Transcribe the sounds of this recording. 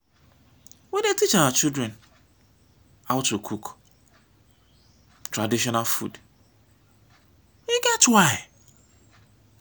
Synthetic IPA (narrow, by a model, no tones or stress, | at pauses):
wɛdetit͡ʃawat͡ʃildɾɛn | awʊtukʰuk | tɾadiʃɔnalfṵd | iɡɛtwaɪ